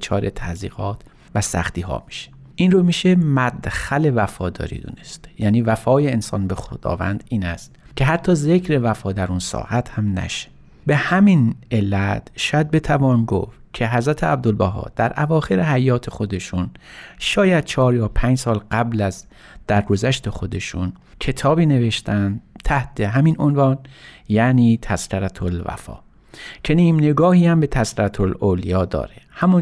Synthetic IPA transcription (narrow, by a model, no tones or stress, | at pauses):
t͡ʃʰɒːɾet̪ʰæzḭːɣɒːt̪ʰ | væsæ̰xt̪iːhɒ̰ːmi̥ʃe̥ | ʔinromiʃemæd̪xæle̞væfɒːd̪ɒ̰ːɾḭːd̪ṵnest̪jæːniːvæfɒːjeːnsɒ̰ːnbexod̪ɒ̰ːvæ̰nd̪iːnæst̪ | kʲʰeɦæt̪ʰːɒːze̞kʰɾe̞væfɒːd̪æɾunsɒ̰ːʔæt̪hæmnæ̰ʃe̥ | be̞hæminelːæt̪ʃɒːjæd̪̚be̞t̪ʰævɒːnɡo̰f | cʲʰe̞ɦæzɾæt̪ʰeæb̚d̪olbæɦɒ̰ːd̪̥æɾʔævɒːxe̞ɾeɦæjɒːt̪ʰe̞xo̞d̪e̞ʃunʃɒːjæd̪̥̚t͡ʃʰɒːɾjɒːpʰænd͡ʒsɒːlɢæblæz | d̪̥æɾɡozæʃt̪ʰe̞xo̞d̪e̞ʃun | kʰe̞t̪ʰɒːbiːne̞ve̞ʃt̪ʰænd̪t̪ʰæht̪ʰe̞ɦæminʔonvɒːnjæʔniːt̪ʰæskæɾæt̪ʰolvæ̰fɒ̰ː | cʰe̞niːmneɡɒːhiːhæmbet̪ʰæskæɾæt̪ʰololijɒːd̪ɒ̰ːɾehæmun